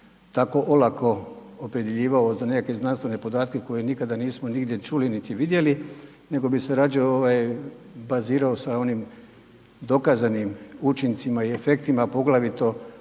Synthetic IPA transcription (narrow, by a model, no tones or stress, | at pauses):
t̪ako̞ʔolakʰo̞opɾe̞d̪je̞ʎiːʋaozane̞kake̞znanst̪ʋe̞ne̞pod̪aːt̪ke̞ko̞jenikad̪aniːsmoniɡd̪je̞t͡ʃulinit̪iʋid̪je̞li | ne̞ɡo̞biseɾad͡ʒooʋajbaziːɾaosao̞nim | d̪o̞kazanimut͡ʃint̪simaie̞fe̞k̚t̪imapo̞ɡlaʋit̪o̞